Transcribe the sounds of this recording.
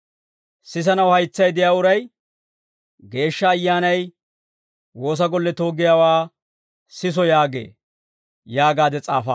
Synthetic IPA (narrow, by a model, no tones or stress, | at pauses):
sɪs̬ɐnɐwhɐjt͡sːɐjd̪ɪjaːʊɾɐj | ɡe̞ːʃːɐːjːaːnɐj | wo̞ːs̬ɐɡɔlːɛt̪o̞ːɡɪjaːwaː | sɪs̬ɔjaːɡḛː | jaːɡaːd̪ɛt͡sʼaːfɐ̰